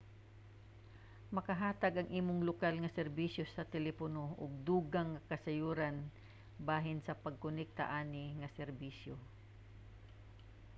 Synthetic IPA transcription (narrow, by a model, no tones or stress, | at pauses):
mɐkɐɦaːt̪aɡɐŋʔiːmʊŋlʊkalŋɐsɛɾbisjosɐt̪ɛlɛponoʔʊ̰ɡ̚d̪uːɡaŋːɐkɐsɐjuːɾan | baːɦɪnsɐpɐɡ̚kʊnɛk̚t̪a̰ʔaːnɪŋɐsɛɾbiːsjo